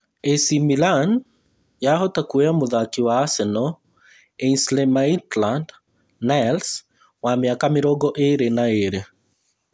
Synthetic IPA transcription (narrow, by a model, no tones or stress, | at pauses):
esimilan | jaɦɔtakueamʊðakiwaːsɛnɔ | einslɛmaitland | nɛls | wamjakamɪɾɔɡɔʔeɾenaeɾe